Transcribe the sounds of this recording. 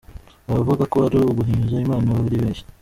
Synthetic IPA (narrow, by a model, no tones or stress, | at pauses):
aavuɡakoaɾuuɡuɦiːɲuʒaimaːnaaβuɾiβeːnʃi̥